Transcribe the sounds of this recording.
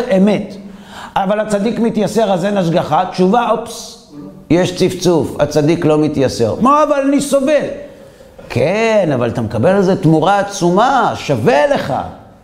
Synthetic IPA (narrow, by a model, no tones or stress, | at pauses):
emet̪ | ʔavalhat͡sadikmit̪jaseʁazenaʃ̬ɡaχat̪ʃuvaops | jeʃt͡sift͡sufa̰t͡sad̪iklo̞mit̪jase̞̰ʁmoavalaniso̞ve̞l | kʰenavalat̪amekabe̞lzet̪muʁaːt͡sumaʃave̞le̞χa̰